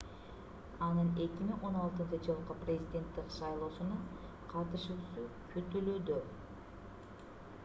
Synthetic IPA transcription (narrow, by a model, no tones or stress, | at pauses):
ɑnɯne̞kʲimiŋo̞nɑlˠt̪ɯnt͡ʃɯd͡ʒɯlˠqɯprʲezʲidʲe̞nt̪ːikʃɑjlˠo̞ːsunɑ | qʰɑt̪ɯʃuːsu | kʰyt̪ylød̪ø